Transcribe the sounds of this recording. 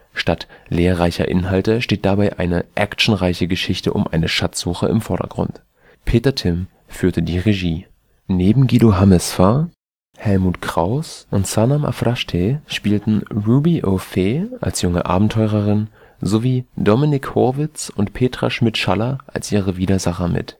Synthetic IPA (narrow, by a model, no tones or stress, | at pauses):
ʃtatleːɐʁaɪçɐ̰ʔɪ̰nɦaltəʃteːt̚d̥abaɪʔaɪnəʔɛkt͡ʃn̩ʁaɪçəɡəʃɪçtə̰ʔʊ̰mʔaɪnəʃat͡sz̥uːxə̰ɪ̰mfɔɐɾɐ̰ɡ̥ʁʊ̰nt | pʰeːtɐtʰɪm | fyːɐtədiːʁeʒiː | neːbm̩ɡiːdoɦamɛsfa | hɛlmuːtkʁ̥aʊsʔʊntsanamʔa̰fʁaʃtʰeʃpiːltn̩ʁuːbiʔofeːʔa̰lsjʊŋə̰ʔa̰ːbm̩tʰɔʏʁəʁɪn | zoviːdɔmɪnɪkhɔɐvɪt͡sʊntpʰeːtʁ̥a̰ʃmɪtʃalɐʔa̰lsʔiːʁəviːdɐzaχɐmɪ̰t